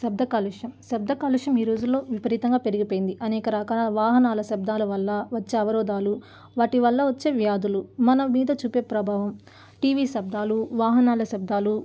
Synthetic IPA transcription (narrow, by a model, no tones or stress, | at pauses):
sɐb̚d̪ʱɐkaːlukʂjɐmsɐb̚d̪ʱɐkaːluʂjɐmiːɾoːd͡ʒulːo̞ːʋipɐɾiːt̪ɐŋɡaːpe̞ɾiɡipoːjind̪iʔɐnɛːkɐɾaːkaːaɐʋaːɦɐnaːlɐsɐb̚d̪ʱaːlɐʋɐlːɐʋɐt͡ʃːeːɐʋɐɾɔːd̪aːlu | ʋaːʈiʋɐlːɐʋɐt͡ʃːe̞ːʋjaːd̪ulumɐnɐːiːd̪ɐt͡ʃuːpeːpɾɐbʱaːʋɐm | ʈiːʋiːsɐb̚d̪ʱaːluʋaːɦɐnaːlɐsɐb̚d̪ʱaːlu